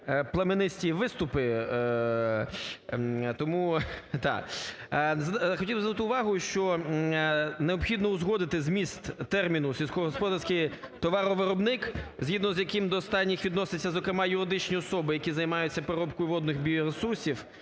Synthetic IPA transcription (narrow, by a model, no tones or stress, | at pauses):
plˠɐmɪnɪsʲtʲiʋɪst̪ʊpɪ | t̪ɔmut̪ɑ̰ | zxɔtʲilˠbznut̪ɪʊʋɑɦʊʃt͡ʃɔ | neɔpxʲid̪nɔʊzɦɔd̪ɪt̪ɪzmʲist̪ːɛrmʲinʊsʲilʲsʲkɔɦɦɔspɔd̪ɐrsʲkɪj | t̪ɔʋɑɾɔʋɪɾɔbnɪkzʲɦʲid̪nɔzjɐkɪmd̪ɔːst̪ɑnʲːixʋʲid̪nɔsɪt͡sʲːɐzɔkɾemɑjʊɾɪd̪ɪt͡ʃnʲiɔsɔbɪjɐkʲizɐjmɑjʊt͡sʲːɐpeɾɔpkɔjʊʋɔd̪nɪxbʲijɔɾesursʲiw